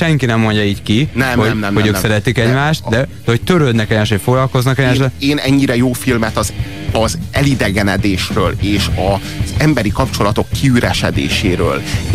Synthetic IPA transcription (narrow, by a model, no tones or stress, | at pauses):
ʃɛŋkinɛmːo̞ɲɟɒiːckinɛmomnɛmoøːksɛɾɛt̪ikɛɟmaːʃt̪d̪ɛd̪̥ɛɦo̞c̚t̪øɾøːd̪nɛkɛɟmaːʃt̪ocfo̞ɡlɒlko̞znɒkɛɟmaːʃɛeːnɛɲːiɾɛjoːfilmɛt̪ɒz | ɒzɛlid̪ɛɡɛnɛd̪eːʃrøːleːʃɒ | z̥ɛmbɛɾikɒpt͡ʃo̞lɒt̪o̞kːiyɾɛʃɛ̰d̪ḛːʃeːɾø̰ːl